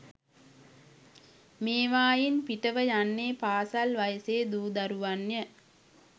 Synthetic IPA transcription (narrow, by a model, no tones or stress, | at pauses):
meːʋaːjinpiʈəʋəjanːeːpaːsalʋajəseːd̪uːd̪aɾuʋanjə